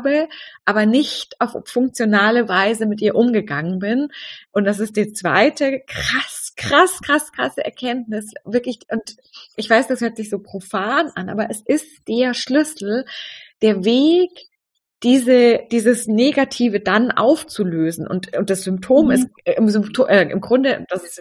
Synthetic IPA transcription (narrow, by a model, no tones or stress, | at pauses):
bəʔaːbɐnɪçtaʊffʊŋk̚t͡sjonaːləvaɪzəmɪtʔiːɐʔʊmɡəɡaŋənbɪnʔʊnt̚d̥as̬ɪst̚d̥iːt͡sv̥a̰ɪtəkʁ̥askʁ̥askʁ̥askʁ̥asəʔɛ̰ɐkʰɛntnɪsvɪɐklɪçʔʊnt | ʔɪçv̥aɪsd̥ashøːɐtz̥ɪçz̥oːpʁ̥ofaːnʔanʔa̰ːbɐʔɛsʔɪstd̥eːɐʃlʏsl̩d̥eːɐveːk | d̥iːzəd̥iːzəsneːɡatʰiːvədanʔa̰ʊft͡suløːzn̩ʔʊ̰ntʊnt̚d̥asz̥ʏmptʰoːmɪstɪmzʏmptʰoːʔɛːʔɪ̰mɡʁʊndəd̥asɪs